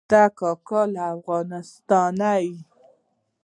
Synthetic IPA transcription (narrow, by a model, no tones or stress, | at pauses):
t̪akɑkɑlaːfɣɑnɪst̪ɑnai